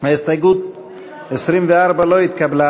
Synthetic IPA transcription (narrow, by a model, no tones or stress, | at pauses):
haist̪ajɡut̪̚ | esɾimveaɾbaloit̪kabla